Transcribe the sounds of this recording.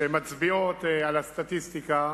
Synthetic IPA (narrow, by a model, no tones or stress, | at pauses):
emat͡sbiot̪alast̪at̪ist̪ika